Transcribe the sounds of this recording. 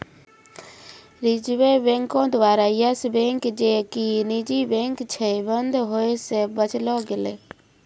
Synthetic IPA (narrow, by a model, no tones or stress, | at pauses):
ɾid͡ʒwebẽŋkõd̪ʋaɾajəsbẽŋkd͡ʒekinid͡ʒibẽŋkt͡ʃʰɛbənd̪ʱɦoesebət͡ʃlɔɡelɛ